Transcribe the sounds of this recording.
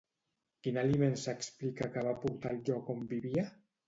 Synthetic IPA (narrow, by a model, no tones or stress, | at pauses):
kinalimensəksplikakaβapuɾt̪alʒɔkombiβia